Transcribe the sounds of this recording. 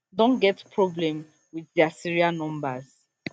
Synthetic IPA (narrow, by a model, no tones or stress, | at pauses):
dɔ̃nɡɛtpʰɹɔblɛ̃m | wiθdɛasiɹianɔ̃mbaz